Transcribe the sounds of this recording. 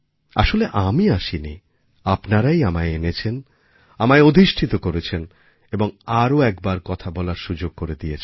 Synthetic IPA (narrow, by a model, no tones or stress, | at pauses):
a̰ʃoleʔamiaʃini | apnaɾajamaeenet͡ɕʰen | amaeod̪ʱiʃʈʰit̪okoɾet͡ɕʰen | eboŋaɾoɛkbaɾkɔt̪ʰabɔlaɾʃud͡ʑoɡ̚koɾed̪ijet͡ɕʰ